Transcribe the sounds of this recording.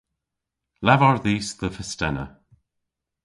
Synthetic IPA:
lavaɹðiːsðəfəstɛnə̰

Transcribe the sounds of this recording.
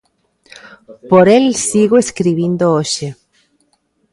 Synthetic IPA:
poɾelsiɣoeskɾiβind̪ooʃe

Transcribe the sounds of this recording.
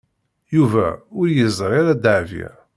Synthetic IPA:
juvæ̰ʊɾjəzˤɾˤeɾæd̪aʕvḭɾ

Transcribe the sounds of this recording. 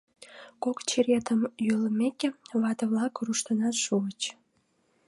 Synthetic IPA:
kokt͡ɕeɾʲet̪əmjøləmekeβɑt̪əβlɑkruʃt̪ənɑt̪ʃuət͡ɕ

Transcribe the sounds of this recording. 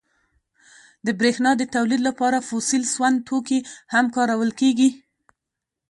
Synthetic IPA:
d̪əbɾexnɑd̪ət̪awlid̪lapɑɾafosilswand̪̚t̪ʰokihamkɑɾawəlkeɡi

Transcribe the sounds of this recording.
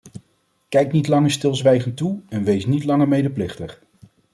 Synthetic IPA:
kɛjknitlɑŋəɹstɪlˠzʋɛjχəntuɛnʋejsnitlɑŋəɹmejdəplɪχtəχ

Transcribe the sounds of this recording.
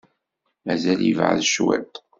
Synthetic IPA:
mæzæljəvʕðʃwæ̰t̪

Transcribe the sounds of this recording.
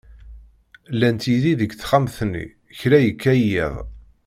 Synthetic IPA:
lːænt̪iðiðəɡθχamθnːḭ | çɾæjəkːæjḭðˤ

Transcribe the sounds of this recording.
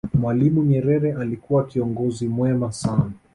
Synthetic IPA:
mwalimuɲɛɾɛɾɛʔalikuwakiɔŋɡɔzimwɛmasana

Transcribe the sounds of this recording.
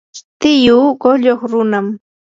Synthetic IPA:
t̪ɪjuːɢoʎoχɾʊnam

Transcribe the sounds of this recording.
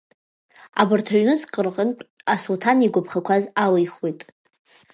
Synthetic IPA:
a̰bɨrtʰaɥnɨsqʼərqʼənpʼasultʰaniɡʷʊpʰχakʷʰazalɨjχwijtʼ

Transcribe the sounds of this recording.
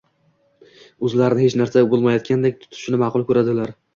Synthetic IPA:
ɵzlaɾɪnɪhet͡ʃnaɾsabolˠmajɒt̪̚kʲʰand̪ek̚ʲt̪ʰʊ̥t̪ʰɪ̥ʃɪnɪmɑqʰʊlˠkʰʲɵɾad̪ɪlaɾ

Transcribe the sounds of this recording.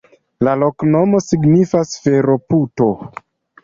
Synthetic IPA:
lalo̞kno̞mo̞siɡnifasfe̞ɾo̞puto̞

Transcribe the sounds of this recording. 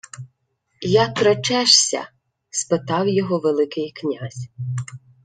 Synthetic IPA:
jɑk̪ɾɔt͡ʃɛʃsʲɐ̰ | spɪt̪ɑwjɔɦɔʋelˠɪkɪjknʲazʲ

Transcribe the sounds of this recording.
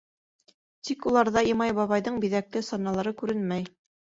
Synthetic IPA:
t̪ikulˠɑɾðɑimɑjbɑβɑjðɤɴbiðæk̚lɘsɑnːɑlˠɑɾɤkʉɾɘnmæj

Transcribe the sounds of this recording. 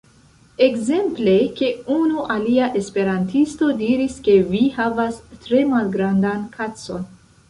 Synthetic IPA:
e̞kze̞mple̞ke̞unuʔaliaʔe̞spe̞ɾantisto̞diɾiske̞vihavastɾe̞malɡɾandankʰat͡so̞̰n

